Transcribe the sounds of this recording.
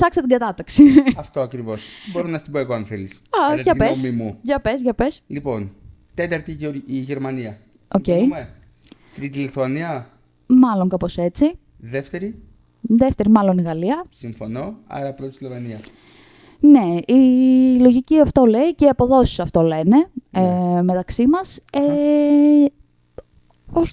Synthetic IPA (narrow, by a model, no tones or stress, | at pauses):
sɐksɐt̪iɡɐt̪ɐt̪ɐksiɐft̪o̞ɐkɾivo̞sboɾonɐst̪iboeɣoɐnθelisɐʝɐpemimuʝɐpezʝɐpe̞slipo̞n | t̪et̪ɐɾt̪iiʝeɾmɐniɐ | o̞ce̞jme | t̪ɾit̪ileθuɐniɐ | mɐlo̞ŋkɐpo̞se̞t͡si | ðeft̪eɾi | ðeft̪e̞ɾimɐlo̞niɣɐliɐsiɱfo̞no̞ɐ̰ɾɐpɾot̪ist̪ilemɐniɐ | ne̞ilo̞ʝiciɐft̪o̞le̞iceiɐpo̞ðo̞si̥sɐft̪o̞le̞ne̞ | me̞t̪ɐksimɐse | os